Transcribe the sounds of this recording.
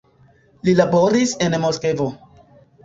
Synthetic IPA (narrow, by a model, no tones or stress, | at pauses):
lilabo̞ɾise̞nmoske̞vo